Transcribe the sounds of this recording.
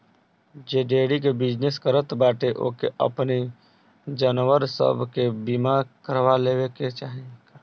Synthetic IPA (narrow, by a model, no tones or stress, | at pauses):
d͡ʒeːɖeːɽik̬ebɪd͡ʒneskəɾət̪baːʈ̪eʔo̰keʔə̰pni | d͡ʒənwəɾsə̰bʱkebimakəɾʋaleːweket͡ʃaːɦẽɡ